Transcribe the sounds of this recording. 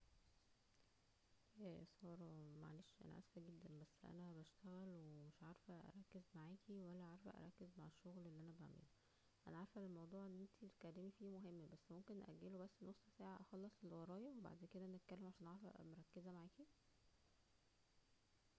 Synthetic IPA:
ʔæːsˤɑːɾˤɑmæʕa̰leːʃʔæ̰næ̰ʔæ̰sfæɡed̪ːænbæsːʔæ̰næbæʃt̪æɣælwemeʃʕaɾfæʔæ̰ɾˤɑkːezmaʕaːkiwælːæʕaɾˤfæ̰ʔæ̰ɾˤɑkːezmaʕeʃːoɣlʔelːiʔænæba̰ʕmḛlo | ʔænæʕɑɾfælelmɑwd̪ˤuːʕenːʔent̪ʰikælːemifiːmoɦemːbæsːmomkenːʔæ̰ɡːelobæsːnosˤːsaːʕaʔɑxɑlːɑsˤelwɑɾˤɑːjɑweba̰ʕd̪eːnked̪æʔænet̪̚kælːemʕaʃæːnʕaɾfæ̰moɾˤɑkːezæmaʕaːki

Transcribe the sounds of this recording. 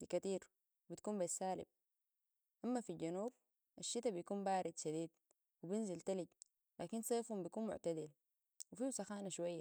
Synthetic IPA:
ikat̪iːɾ | bit̪kuːmbasːaːlḭb̚ | ʔamːafiɟanuːb̚ | ʔaʃːit̪abijkuːmbaːɾid̪ʃad̪iːd̪ | wibinzilt̪aliɟ | laːkinsˤeːfhumbijkuːnmʊ̰ʕt̪ad̪il | wifisaxaːnaʃwajːa

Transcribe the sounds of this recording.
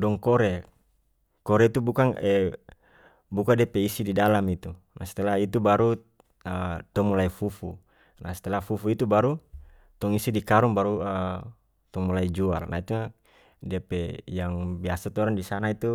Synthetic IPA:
dɔŋkɔɾe | kɔɾeit̪ubukaŋɛ | bukadiapeisididalamit̪u | na̰si̥t̪ɛlait̪ubaɾu | ət̪ɔmulaifufu | na̰sɛ̥t̪ɛlafufuit̪ubaɾu | t̪ɔŋisidikaɾuŋbaɾuə | t̪ɔŋmulaid͡ʒua̰lnʔa̰it̪una | diapejaŋbiasat̪ɔɾandisanait̪u

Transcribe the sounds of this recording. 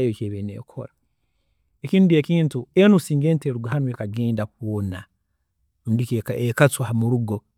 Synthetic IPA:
joceːβenḛːkʰo̰ɾa | ekinudiekiːntuenusiːŋɡeːnteɾuɡahanwekaɡeːndakwona | mudiekat͡swhamuɾuɡo

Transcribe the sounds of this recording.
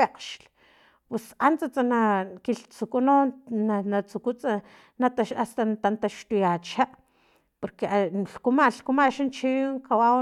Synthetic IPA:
eqʃl | pwesant͡sat͡sanakilt͡sukunonnanat͡sukut͡sa | nat̪aʃast̪ant̪ant̪aʃt̪ujat͡ʃaʔ | poɾkeaɬkumaɬkumaʃant͡ʃiŋkawa

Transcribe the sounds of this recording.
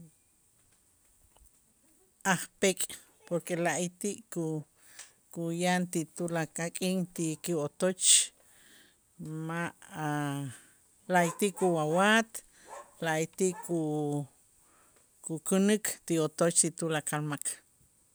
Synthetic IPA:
aχpekʼ | poɾkelaʔit̪iʔku | kujant̪it̪ulakakʼiŋt̪ikiot̪ot͡ʃ | maʔa | laʔit̪iʔkuwawat̪ | laʔit̪iʔku | kukunɨkʰt̪iot̪ot͡ʃt̪it̪ulakalmak

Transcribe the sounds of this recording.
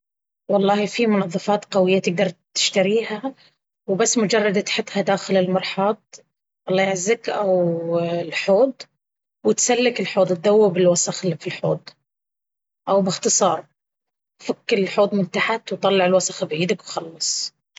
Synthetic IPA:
wɑlˤːɑːhifimʊnɑðˤːɑfɑːt̪qawɪjːat̪ɪɡ̚d̪ɑɾˤt̪ːɪ̥ʃt̪aɾiːɦa | wbasːmʊd͡ʒɑrˤːɑd̪at̪ħɪt̪had̪aːxɪlɪlmɑɾˤħɑːt̪̚ | wɑlˤːɑːjaʕzːakʔawlħoːd̪ | wɪt̪salːɪkɪlħoːd̪ˤt̪̚d̪awːɪbɪlwasˤɑxlfilħo̰ːd̪ˤ | ʔawbɪxt̪ɨsˤɑːɾˤ | fakːɪɪlħoːd̪ˤmʊnt̪aħat̪wt̪ˤɑlːɑʕɪlwasˤɑxbʕiːd̪akwxɑlːɨsˤ

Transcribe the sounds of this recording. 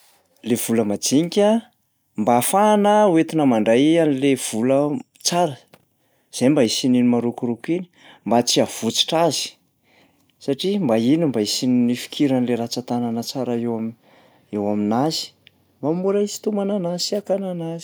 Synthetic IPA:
lev̥uləmad͡ziŋikʲa | mbafanəuwet̪inəmaɳɖ͡ʐajanilev̥ulə | t͡saɾə | z̥ejmbaisininimaɾukuɾukini̥ | mbat͡siav̥ut͡si̥ʈ͡ʂazi̥ | saʈ͡ʂimbainimbaisinnifi̥kʰiɾanleɾat͡sat̪ananət͡saɾəewam | ewaminazi̥ | mbamuɾaizi̥t̪umananasiakananazi̥

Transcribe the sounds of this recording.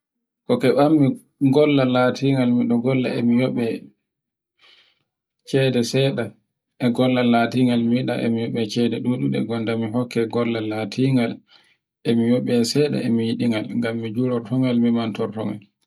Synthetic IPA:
kɔkɛɓamːi | ɡɔlːalatʰiŋɡalmiɗɔɡɔlːa̰ɛmijɔɓɛ | t͡ʃɛdɛsɛɗa | ʔɛɡɔlːalatiŋɡalmiɗa̰ʔɛ̰mijɔɓɛt͡ʃɛdɛɗuɗuɛ̰ɡɔndamiɦɔkːɛɡɔlːalaːtʰiŋɡal | ʔemijɔɓɛsɛɗa̰emijiɗiŋɡalŋɡamːid͡ʒuɾɔɾtɔŋalmimantɔɾtɔŋa̰l

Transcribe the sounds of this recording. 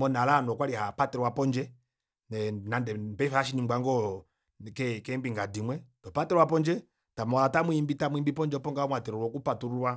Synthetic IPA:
mɔnalanɔkwalihapatɛɾɔwapɔnd͡ʒɛ | ɛnandɛmbɛfaaʃ̬inimɡ͡bwaŋɡɔ | kɛkɛmbiŋɡadimwɛtɔpatɛɾɔwap̬ɔnd͡ʒɛ | tamlatamwimbitamuimbipɔnd͡ʒɛpɔŋɡaɔmwatɛɾɔɾɔkupatuɾuwa

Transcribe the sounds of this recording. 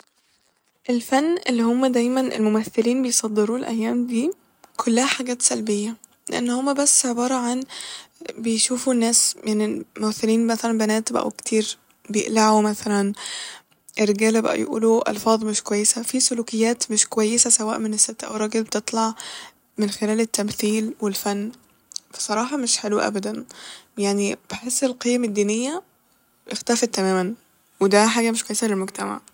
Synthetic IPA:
ʔelfænːʔelːihomːæd̪æjmænʔḛlmomæθːeliːnbejsˤɑd̪ːeɾuːlʔæ̰jːæːmd̪iː | kʰolːæhæħaɡæːt̪sælbejːæ | lḛʔenːhomːæbæsːʕebɑːɾˤɑʕan | bejʃuːfunːæːsjaʕnilmomæθːeliːnmæθælænbænæːt̪bʔæ̰wkt̪ʰiːɾ | bejeʔlaʕumæθælæn | ʔerːeɡæːlæbæ̰ʔæ̰j̰ʔṵːluʔɑ̰lfɑːðˤmeʃkowæjːesæfisoluːkejːæːt̪meʃkowæjːesæsæwæːʔmenesːet̪ːæʔæ̰wɾˤɑːɡelbet̪et̪ˤlɑʕ | menxelæːlet̪ːæmθiːlwelfænː | fe̥sˤɑɾˤɑːħɑmeʃħeluʔæ̰bæd̪ænjaʕnibeħesːelqijæmed̪ːiːnejːæ | ʔext̪æfet̪ːæmæːmæn | wed̪æħaːɡæmeʃkwæjːesælelmoɡt̪ʰæma̰ʕ

